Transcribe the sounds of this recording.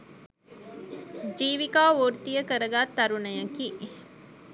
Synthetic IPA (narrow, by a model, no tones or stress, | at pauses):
d͡ʒiːʋikaːʋoːɾt̪ijəkəɾəɡaːt̪ːɐɾunɐjɐkiːʔ